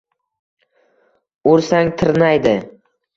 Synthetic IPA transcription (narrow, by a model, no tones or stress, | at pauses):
ʊɾsaŋt̪ʰɪɾnajd̪ɪ